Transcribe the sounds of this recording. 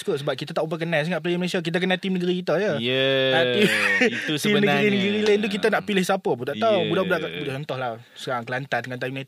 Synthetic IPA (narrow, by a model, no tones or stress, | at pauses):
skut̪səbap̚kit̪at̪aʔupəkənans̬əŋaʔ̚plejəməlesiak̬it̪ək̬ənat̪imnəɡəɾikit̪əjəəat̪i | t̪imnəɡɾinəɡəɾilaint̪ukit̪ənaʔpilɪhsapəbut̪aʔt̪awbudabudaʔkʔbudaht͡ʃɔnt̪ɔhla | səkaaŋkəlant̪adəŋãnt̪ajmnet̪